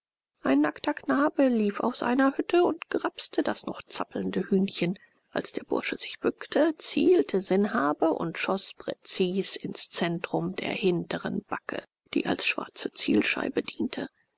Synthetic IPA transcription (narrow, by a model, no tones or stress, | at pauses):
ʔaɪnːaktɐknaːbəliːfa̰ʊsʔa̰ɪnɐhʏtʰəʊntɡ̥ʁapstʰədasnɔχt͡sapl̩n̩dəhyːnçən | ʔa̰lsd̥eːɐb̥ʊ̰ɐʃəz̥ɪçb̥ʏktʰət͡sḭːltʰəzɪnɦaːbəʔʊ̰ntʃɔspʁ̥ɛt͡siːsɪnst͡sɛntʁ̥ʊmdḛːɐhɪntəʁə̰nb̥akʰə̰ | d̥ḭːʔa̰lsʃv̥a̰ɐt͡sət͡sḭːlʃa̰ɪbədiːntʰə